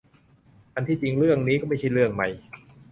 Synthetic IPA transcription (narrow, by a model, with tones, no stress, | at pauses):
ʔa˧nt̪ʰiː˥˩t͡ɕi˧ŋɾɯ˥˩əŋniː˦˥kɔː˥˩ma˥˩t͡ɕʰa˥˩jɾɯ˥˩əŋma˦˥j